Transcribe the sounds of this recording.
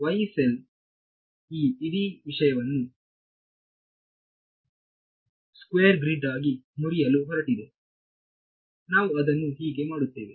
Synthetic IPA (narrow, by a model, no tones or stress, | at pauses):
ʋɐjsel | iːɽiʋiʂɐjɐʋɐnːu | skʋeːɾɡɾiɖaːɡimuɾijɐluɦɔɾɐʈːid̪e | naːʋuɐd̪ɐnːuɦiːɡe̞maːɽut̪ːe̞̰ːʋe